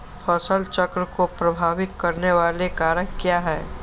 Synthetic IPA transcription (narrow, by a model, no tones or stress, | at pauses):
pʰɔːsəlt͡ʃəkɾəkopɾɐbʱaːʋɪt̪kɐɾneʋaːlekaːɾəkkijaɦɛː